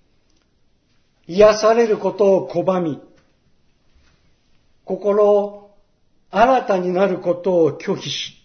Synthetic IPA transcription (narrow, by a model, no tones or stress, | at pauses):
iasaɾe̞ɾɯ̟ko̞t̪o̞ːkʰo̞bamʲi | ko̞ko̞ɾo̞ | aɾat̪aɲ̟inaɾɯ̟ko̞t̪o̞ːkʲʰo̞ːçiɕi̥